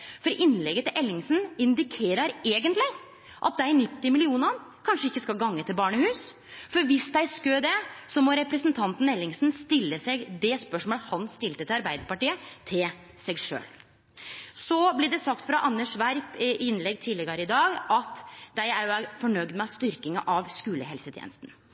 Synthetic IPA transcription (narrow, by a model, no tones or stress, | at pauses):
fɔɾʔɪnːlɛɡət̪ɪlʔɛlːɪŋsn̩ɪnd̪ɪkʰeːɾəɾeːɡənt̪lɪ | ʔɑ̰t̪̚d̪ænɪpt̪ːɪmɪlɪuːnɑn | kʰɑnʂəɪkːəskɑlɡɑŋːət̪ʰɪlbɑːɳəhʉːs | fɔɾʋɪsd̪æɪskød̪ɛsɔmɔɾɛpɾəsənt̪ʰɑnt̪n̩ɛlːɪŋsn̩st̪ɪlːəsɛɡd̪ɛspœʂmoːlhɑnst̪ɪlt̪ət̪ɪlɑɾbæɪd̪əɾpɑʈiːət̪ʰɪl | sɛɡʂø̰ːl | sɔblɪɖɛsɑk̚t̪fɾɑʔɑnːəʂʋæɾpɪnːlɛɡt̪ʰɪlɛɡɑɾəɪd̪ɑːɡɑt̪d̪æɪæɾjʊæfɔɳœɡd̪mɛɑst̪ʏɾkɪŋəʔɑʋskʉːləhɛlsət̪ʰjɛ̰nəst̪n̩